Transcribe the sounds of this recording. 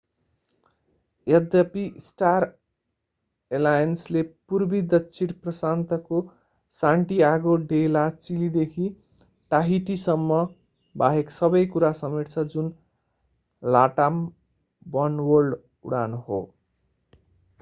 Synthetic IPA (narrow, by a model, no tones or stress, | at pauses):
ed̪ʌpisʈar | elajʌnslepurbid̪ʱʌt͡sʰiɽprʌsant̪ʌko | saɳʈiaɡoɖelat͡silid̪ekʰi | ʈaɦiʈisʌmːʌ | baɦeksʌbʌjkuɾasʌmeʈt͡sʰʌd͡zun | laʈam | bʌnwʌrɖ | ṵɽanoɦo̰